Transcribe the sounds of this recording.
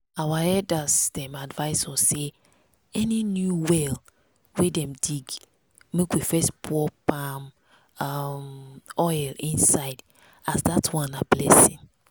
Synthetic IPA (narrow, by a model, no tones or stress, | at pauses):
awaɛdasd̥ɛ̃madvaɪsɔse | ɛninjuwɛl | wedɛ̃mdiɡ | mekwifɛspʰɔpãm | amɔjlĩnsaɪd | asdatʰwãnablɛsĩn